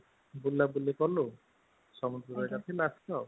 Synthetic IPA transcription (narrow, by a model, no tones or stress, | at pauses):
bulːabulekɔlo | sɔmɔd̪ɾɔɾɔekat̪ʰilaskaw